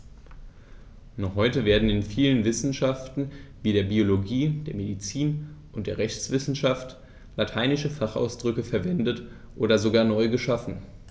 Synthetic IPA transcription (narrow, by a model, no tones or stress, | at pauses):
nɔχhɔʏtəveːɐdn̩ɪnfiːlənvɪsn̩ʃaftn̩viːdeːɐbioloɡiːd̥eːɐmedit͡siːnʔʊntd̥eːɐʁɛçt͡sv̥ɪsn̩ʃaft | latʰaɪnɪʃəfaχʔa̰ʊsd̥ʁʏkəfɛɐvɛndət | ʔoːɾɐzoɡaːɐnɔʏɡəʃafn̩